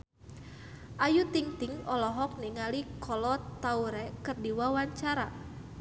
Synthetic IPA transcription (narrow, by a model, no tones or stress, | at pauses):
ʔajut̪iŋt̪iŋɔlɔɦɔk̚niŋalikʰɔlɔt̪auɾɛkɨrdiwawaɲt͡ʃaɾa